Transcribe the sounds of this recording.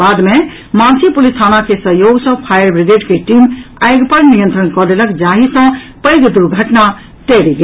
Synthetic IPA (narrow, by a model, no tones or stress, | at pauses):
ad̪me | mãnsʰipulist̪ʰanakesəɦjoɡsə̃pʰajəɾbɾiɡeɖkeʈimajɡpəɾnijənt̪ɾənkɔd̪eləkd͡ʒaɦisə̃pəɪɡd̪uɾɡʱəʈna | ʈ̪eɾiɡe